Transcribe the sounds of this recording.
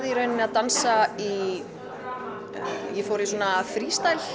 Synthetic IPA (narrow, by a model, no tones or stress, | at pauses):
ðiɾœːɥnɪnaðt̪ansai | jɛfoːwɾisuɔːnaːfɾiːst̪ajl